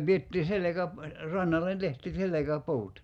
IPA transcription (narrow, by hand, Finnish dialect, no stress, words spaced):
pietːiː selekæp rɑnːɑlːen tehti selekæpuːt